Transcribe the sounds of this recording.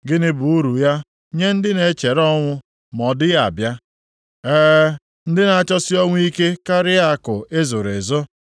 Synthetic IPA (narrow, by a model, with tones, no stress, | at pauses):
ɡɪ˦nɪ˦bʊ˨u˦ɾu˨ja˦ | ɲe˦n̩˦dɪ˦ne˨˦t͡ʃe˨ɾɔ˦ŋʷʊ˦ | mɔ˨dɪ˦a˦˨a˨bja˦ | ɛː˦ | n̩˦dɪ˦na˨a˨t͡ʃɔ˦sɪ˦ɔ˦ŋʷʊ˦i˦ke˦ka˦ɾɪ˦a˦kʊ˨e˦zo˨ɾe˨zo˦